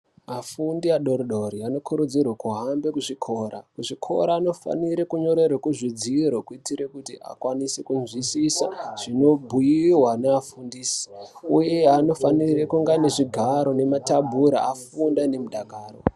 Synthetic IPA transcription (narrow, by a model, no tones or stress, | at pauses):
mafundiaɗo̞ɾoɗoɾiano̞kʰuɾud͡zirwakuɦambe̞kuʐikʰo̞ːɾakuʐikʰo̞̰ɾaːno̞fa̰niɾekuɲo̞ɾe̞rekuʐid͡ziɾokuitiɾe̞kutḭʔa̰kwanisekunzwisisaʐ̥ino̞bʱujiwanaːfundiːsi̥uje̞ano̞fanirekuŋɡaneʐiɡʱaɾo̞ne̞matabʱuɾa̰afundane̞muɗaɡʱaːro̰